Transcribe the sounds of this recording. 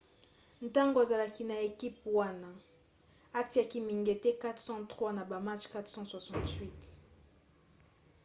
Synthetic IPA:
n̩˨ta˦ŋɡo˨a˨za˨la˨ki˦na˨e˨ki˦pwa˦na˦ | a˦ti˨a˨ki˨mi˨ŋɡe˨tɛ˦ka˦tχsɑ̃˦tχwa˦na˨ba˨ma˦t͡ʃka˦tχsɑ̃˦swa˨sɑ̃˨tɥi˦t

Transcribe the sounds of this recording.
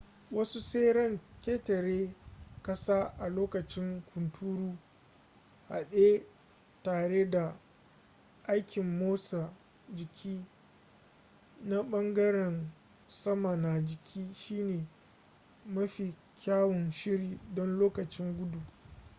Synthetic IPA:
wɐ˦su˦seː˦ɾɐ˦˨ŋkʲeː˦tɐ˨ɾeː˦kɐ˦saː˦ʔa˨loː˦kɐ˨t͡ʃɪ˦ŋkʷʰʊ˨ntʰuː˦ɽuː˦ | ha̰˨ɗe˦ | taː˨ɽe˦da˨ | ʔa˦jkʲɪ˨mːoː˦sa˨ | d͡ʒɪ˨kʲʰiː˦ | na˦ɓɐ˦ŋɡɐ˦ɾɛ˨n | sɐ˦ma˨na˨d͡ʒɪ˨kʲʰiː˦ʃiː˦neː˨ | mɐ˦ɸi˨ | kʲaː˦wɔ˨nʃɪ˦ɽiː˨dɔ˦nloː˦kɐ˨t͡ʃɪ˦ŋɡʷʊ˦du˨

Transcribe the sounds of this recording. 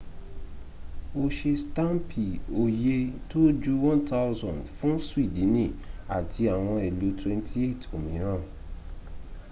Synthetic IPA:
o˧ʃe˧stã˦mpi˨o˨je˧to˦d͡ʒu˦wɔ̃˦nta˦zɔ̃˨ndfũ˦swi˦˨dĩ˨˦nĩ˦˨a˨tʰi˧a˨w̃ɔ̃˧ɛ˨lu˨˦twɛ̃˧ntʰi˦e˦˨to˨mĩ˨˦ɾ̃ã˦˨

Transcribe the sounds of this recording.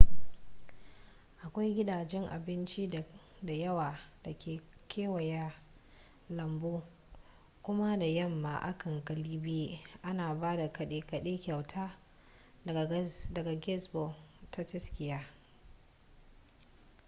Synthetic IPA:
ʔa˨kʷa˦jɡʲɪ˦daː˨d͡ʒɛ˦ŋʔa̰˨bɪ˦nt͡ʃi˦˨ | da˨jɐ˦waː˨d̥a˨kʲʰeː˨kʰʲeː˦wɐ˨jaː˦ | lɐ˨mboː˦ | kʷʊ˦ma˦da˨jɐ˦˨mːa̰˨ʔa̰˦kɐ˨ŋkʼɐ˨liː˦beː˦ʔa˦naː˨baː˦da˨kɐ˨ɗe˦kɐ˨ɗeː˦kʲɐ˨wtʰaː˦˨ | dɐ˨ɡa˨ɡʲɛ˦sbo˨tʰa˦tɐ˦skʲɪ˨jaː˦

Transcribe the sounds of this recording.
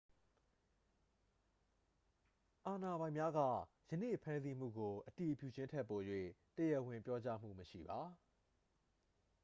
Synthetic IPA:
ʔa˨na˨bã˨ɪ̃mja˦ɡä̰˦˨ | jə˨nḛ˦˨pʰã˦nzi˦m̥ṵ˦˨ɡo˨ʔə˨ti˨ʔpjṵ˦˨d͡ʑɪ̃˦ntʰɛ˦˨pːo˨jwḛ˦˨təjə˨wɪ̃˨mpjɔ˦t͡ɕa̰˦m̥ṵ˦˨məʃḭ˦˨ba˨

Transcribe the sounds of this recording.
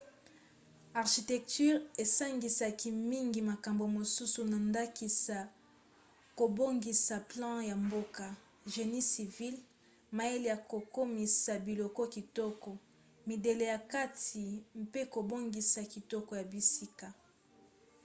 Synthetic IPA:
a˨ʁʃi˨tɛ˨k̚ty˦ʁe˨sa˦ŋɡi˨sa˨ki˦mi˦ŋɡi˨ma˨ka˨mbo˨mo˨su˦su˨na˨nda˦ki˨sa˨ | ko˨bo˦ŋɡi˨sa˨plɑ̃˦ja˨mbo˦ka˨ | ʒe˨ni˦si˨vi˦l | ma˨e˦li˨ja˨ko˨ko˦mi˨sa˨bi˨lɔ˨kɔ˦ki˨tɔ˦kɔ˨ | mi˨de˨le˨ja˨ka˦ti˨mpe˦ko˨bo˦ŋɡi˨sa˨ki˨tɔ˦kɔ˨ja˨bi˨si˦ka˨

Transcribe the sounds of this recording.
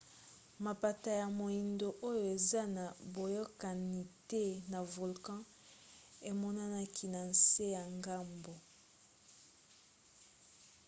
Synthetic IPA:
ma˨pa˨ta˨ja˨mo˨i˨ndo˨ʔo˦jo˨e˨za˦na˨bo˨jɔ˦ka˨ni˨tɛ˦na˨vo˨lkɑ̃˦ | e˨mɔ˦na˦na˦ki˦na˨n̩˨se˦ja˨ŋɡa˦mbo˨

